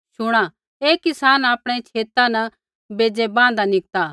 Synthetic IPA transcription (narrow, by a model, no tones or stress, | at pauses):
ʃʊɽ̃a | eːkːɪsaːnaːpɽ̃ẽt͡ʃʰeːt̪ãnɐ | beːd͡ʒɛbãːnd̪anɪk̚t̪aː